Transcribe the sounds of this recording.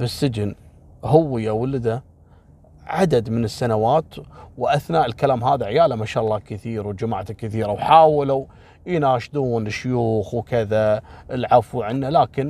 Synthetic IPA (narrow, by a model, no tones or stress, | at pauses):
bɪsːɪd͡ʒɪn | hʊwːɪjːawɪlɪd̪a | ʕad̪ad̪mɪnɪsːanawaːt̪wʔaθnaːʔɪlkalaːmɦaːðaʕɪjaːlamaʃaːʔɑlˤːɑːkɪθiːɾwd͡ʒamaːʕt̪akːɪθiːɾawħaːwlaw | jnaːʃd̪uːnɪʃːʊjuːxwkɪðaɪlʕafwʕɪnːalaːkɪn